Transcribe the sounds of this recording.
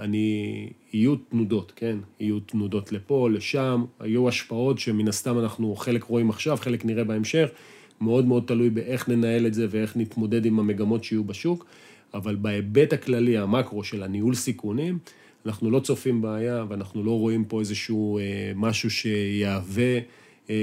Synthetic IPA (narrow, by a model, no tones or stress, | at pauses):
ani | ijutnudo̞tke̞nijutnudo̞tle̞po̞le̞ʃama̰juaʃpao̞tʃeminast̪amanaχnuχe̞lekʁo̞imaχʃavχe̞lekniʁe̞baemʃe̞χ | me̞o̞dmeo̞d̚talujbeʔe̞χne̞nae̞le̞tze̞vee̞χnitmo̞de̞dimame̞ɡamo̞tʃeijubaʃuk | avalbaebe̞taklaliamakʁo̞ʃe̞laniulsikunim | anaχnulo̞t͡so̞fimbaajaveanaχnulo̞ʁo̞impo̞ezeʃuːemaʃuʃe̞jeave̞